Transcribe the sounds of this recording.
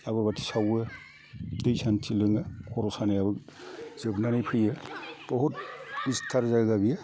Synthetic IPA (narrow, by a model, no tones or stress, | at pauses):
aβɯbatʰi̥sawɯ | dɯjsantilɯŋɯkʰɔɾɔsanajabɯk̚z̥ɯbnanɯjpʰɯjɯb̥ɔɦut̚bistʰaɾzaɡɡabija